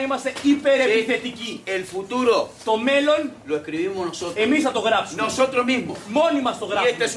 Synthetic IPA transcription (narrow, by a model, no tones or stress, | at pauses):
imɐst̪eipe̞ɾeiθe̞t̪icielfut̪uɾot̪o̞me̞lo̞nloekɾiβimonosot̪e̞misnɐt̪o̞ɣɾɐpsunosot̪ɾozmimomo̞nimɐst̪oɣɾɐest̪es